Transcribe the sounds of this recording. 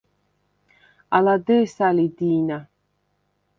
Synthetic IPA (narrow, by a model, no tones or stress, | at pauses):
alad̪esalid̪iːna